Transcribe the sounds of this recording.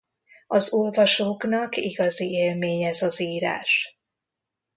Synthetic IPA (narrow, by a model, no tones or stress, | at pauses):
ɒzolvɒʃoːknɒkḭɡɒzieːlmeːɲɛzɒziːɾa̰ːʃ